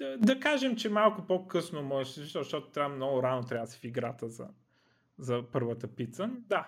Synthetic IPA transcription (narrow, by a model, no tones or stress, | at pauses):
əd̪ɐkaʒɛmt͡ʃɛmalˠkʊpokɤsnomɔʒɛʃsɛiʃt̪ɔʃt̪ɔt̪ʊ̥t̪ɾʲamnɔɡʊɾanot̪ɾʲavəsɛ̥fiɡɾat̪əzɐ̰ | zɐpɤɾvət̪əpit̪sənd̪a